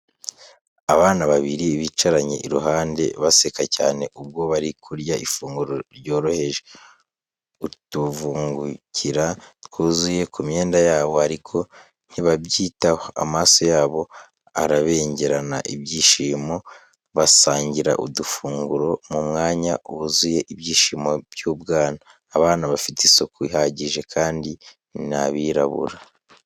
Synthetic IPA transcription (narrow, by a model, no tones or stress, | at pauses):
aβaːnaβaβiɾiβit͡ʃaɾaɲḛʔiɾuɦaːnde̞̰βase̞kacaːne̞ʔub̚ɡo̞βaɾikʰuɾɟaʔifuːŋɡuɾoɾɟo̞ːɾo̞he̞ʒe | utuvuːŋɡucʰiɾatkʰuːzuje̞kʰumɲe̞ːndajaːβo̞haɾikʰo̞ | n̥iβabɟiːtaho̞a̰maːso̞jaːβo̞ | a̰ɾaβe̞ːɲɟe̞ɾana̰ʔibjiːʃiːmo̞ | βasaːɲɟiɾa̰ʔṵdufuːŋɡuɾo̞mumŋaːɲauβuzuje̞ʔiβjiːʃiːmobjuːbɡaːnaː | βaːnaβafitisokuiɦaɟiʒe̞kʰaːndi | naβiɾaβṵɾa